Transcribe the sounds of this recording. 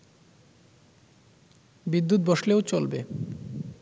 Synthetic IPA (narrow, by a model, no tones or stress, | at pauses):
bid̪ːut̪̚bɔʃleot͡ɕolbe